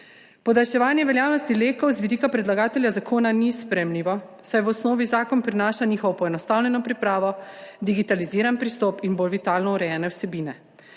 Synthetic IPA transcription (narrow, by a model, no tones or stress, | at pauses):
pɔd̪alʃɛʋaːnjɛʋɛljaːwnɔst̪ileːkɔwzʋid̪iːkapɾɛd̪laɡaːt̪ɛljazakoːnanispɾɛmliʋɔsajʋɔsnɔːʋizaːkɔnpɾinaːʃaniːxɔʋɔpɔɛnɔst̪awnʲɛnɔpɾipɾaːʋɔd̪iɡit̪aliziːɾanpɾist̪ɔːpinboːlʋit̪aːlnɔuɾɛjɛːnɛwsɛbiːnɛ